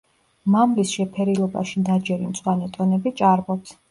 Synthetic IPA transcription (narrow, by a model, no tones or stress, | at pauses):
mamlisʃɛpʰɛɾilˠɔba̰ʃid̪ad͡ʒɛɾimt̪sʼwanɛt̪ʼɔnɛbit͡ʃʼaɾbɔps